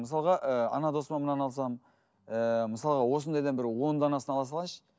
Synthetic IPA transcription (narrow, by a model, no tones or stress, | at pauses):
məsɑlˠʁɑʔəɑ̰nɑd̪o̞smɑnmənɑnɑlˠsɑm | əməsɑlˠʁɑwo̞s̬ənd̪ɑjd̪ɑnbɪɾwo̞nd̪ɑnɑsənɑlˠɑs̬ɑlˠɑʃə̥